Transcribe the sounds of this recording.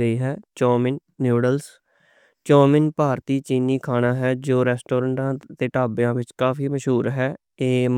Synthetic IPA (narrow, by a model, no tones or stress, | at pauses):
əiːɦɛːt͡ʃɔːmɪnːjuːɖəls | t͡ʃɔːmɪnpaːɾt̪iːt͡ʃiːniːkʰaːnaːɦɛːd͡ʒoːɾɛːsʈoːɾəɳʈãːt̪eːʈaːbjãːʋɪt͡ʃkaːfʰiːməʃɦuːɾɦɛː | eː